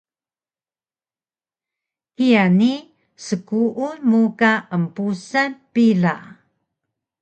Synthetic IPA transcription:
kijani | səkuʔunmukaʔəmpusanpiɮa̰

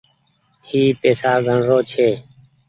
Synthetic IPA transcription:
hiːpeːsaːɡʱəɳɾoːt͡ʃʰeː

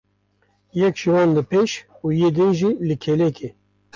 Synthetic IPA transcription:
jɛkʒ̥iwɑːnlɨpʰeʃ | uːjeːd̪ɨnʒiːlɨkʰelɛke

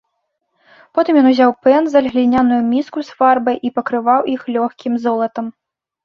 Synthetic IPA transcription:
pɔt̪ɨmjɔnuzʲawpɛnzɐlʲɣlʲinʲanujumʲiskusfarbɐjʔipɐkɾɨvawʔixlʲɔxkʲimzɔlˠɐt̪ɐm

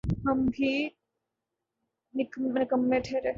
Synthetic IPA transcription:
ɦəmbʱi | nɪkmɪkəmːẽʈʰeːɾeː

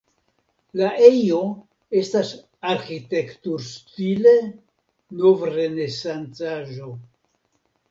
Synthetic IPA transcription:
laʔejo̞ | e̞stas | aɾxite̞ktuɾstile | novɾene̞sant͡saʒo̞

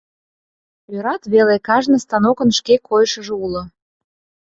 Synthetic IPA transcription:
øɾɑt̪βelekɑʒnə̆st̪ɑnokə̆nʃkekʰojʃə̆ʒeulŏ

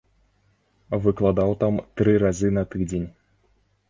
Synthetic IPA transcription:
vɨklˠad̪awt̪amt̪ɾɨɾazɨnɐt̪ɨd͡zʲenʲ

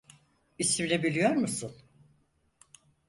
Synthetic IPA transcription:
isimlʲɛbilʲijoɾmusun

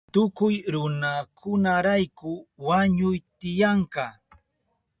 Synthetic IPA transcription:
t̪ʊkʊjɾʊnakʰʊnaɾajkʊwaɲʊjt̪ɪjaɴkɑ

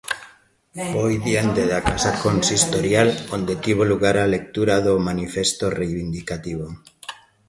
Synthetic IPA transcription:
bojðiand̪eðakasakonsist̪oɾjalond̪et̪iβ̞oluɣ̞aɾalek̚t̪uɾaðomanifest̪orejβind̪ikat̪iβ̞o

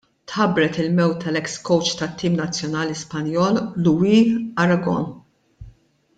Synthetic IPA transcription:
t̪ħɐbɾɛt̪ɪlmɛwt̪ʰːɐlɛkskɔwt͡ʃt̪ɐt̪ːiːmnɐt͡sːjɔnɐːlispɐnjɔːlːuwiɐɾɐɡɔ̰n

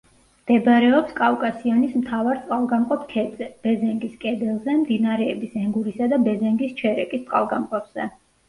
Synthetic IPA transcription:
md̪̥ɛbaɾɛɔpskʼafkʼasiɔnismt̪ʰavaɾt̪sʼqʼalˠɡamqʼɔpʰkʰɛɛb̥ɛzɛŋɡiskʼɛd̪ɛlˠzɛmd̪inaɾɛːbisɛŋɡuɾisad̪abɛzɛŋɡist͡ʃʰɛɾɛkʼist̪ʼqʼa̰lˠɡamqʼɔpʰz̥ɛ̰

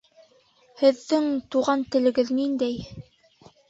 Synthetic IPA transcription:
hɘ̆ðːɘŋt̪uʁɑnt̪ɘ̆lɘ̆ɡɘðnind̪æj

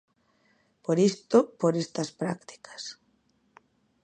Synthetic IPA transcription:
poɾist̪opoɾest̪ɐspɾakt̪i̥kʰḁs

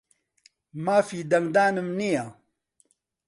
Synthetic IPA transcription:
maːfiːd̪ɐŋɡd̪aːnɨmnija

